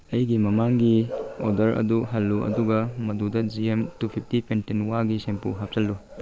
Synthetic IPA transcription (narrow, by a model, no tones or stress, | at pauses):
ɐjɡimɐmaŋɡiodɐɾɐ̰duɦɐlːuɐ̰duɡɐmɐdudɐd͡ʒiemtupʰip̚ʰtipentenwaɡisempuɦap̚sɐlːu